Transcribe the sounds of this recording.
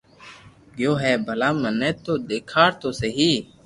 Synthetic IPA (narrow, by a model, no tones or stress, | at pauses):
ɡjoːɦɛːbʱəlaːməneːt̪ːoːd̪eːkʰaːɾt̪oːseɦiː